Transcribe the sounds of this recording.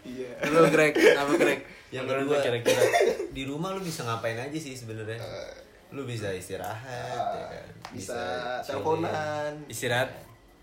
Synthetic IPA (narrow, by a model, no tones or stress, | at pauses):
lʊɡɾɛkamaɡɾɛk̚ | jaŋbəduat͡ʃaɾakiɾadiɾumahlubisaŋampaɪnad͡ʒasɪhsəbənərɲa | lubis̬aist̪iɾa̰ɦat̪ja̰ka̰nbisat͡ʃakonanist̪iɾaɦat̪